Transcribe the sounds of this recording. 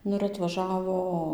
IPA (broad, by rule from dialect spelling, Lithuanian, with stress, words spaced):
ˈnʊ ɪr ɐtʋɐˈʒɑːʋoː